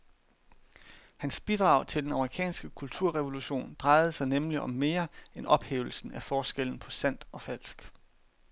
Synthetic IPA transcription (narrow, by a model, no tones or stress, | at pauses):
hænsb̥id̥ʁɑ̈ʊ̰t͡sʰe̝ld̥enɑ̈məʁikʰɛ̰ːnsɡ̥əkʰult͡sʰuɐ̰ʁɛʋo̝luɕo̝̰ːnd̥ʁɑ̈ɪð̞̩ˠəsɑ̈ɪnemliʔɒ̽mːe̝ːɐenʔɒ̽b̥hḛːʊl̩sn̩æfɒːsɡ̥el̰n̩pʰɒ̽sæn̰d̥ɒ̽fæl̰sɡ̥